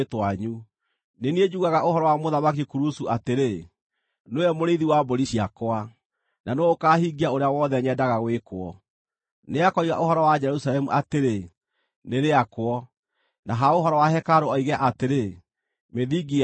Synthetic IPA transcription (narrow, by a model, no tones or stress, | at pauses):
twaɲu | nenied͡ʒuːɣaɣaʔohɔɾɔwamoðamak̬ikuɾusuateɾe | nojɛmoɾeiðiwaboɾiɕiakoa | nanookaːhiɡiaoɾeawɔðɛɲɛdaɣaɣwekwɔ | neakɔiɣa̰ʔohɔɾɔwad͡ʒɛɾusalɛmuʔateɾe | neɾeakwɔ | naɦaoɦɔɾɔwaɦɛkaɾoɔiɣɛʔateɾe | meðiɡi